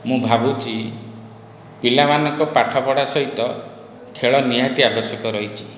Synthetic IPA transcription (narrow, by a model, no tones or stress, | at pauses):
mũbʱabut͡ʃʰi | pilamanɔŋkɔpaʈʰapɔɽasɔɦit̪ɔ | kʰeɭɔnijat̪iabɔsjɔkɔɾɔɦit͡ʃʰi̥